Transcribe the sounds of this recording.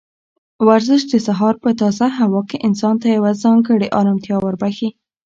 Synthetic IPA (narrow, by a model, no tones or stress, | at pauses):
waɾzəʃd̪əsaɦɑɾpət̪ɑzaɦawɑkeʔɪnsɑnt̪ajawazɑŋɡəɽeʔɑɾɑmt̪jɑwəɾbaxi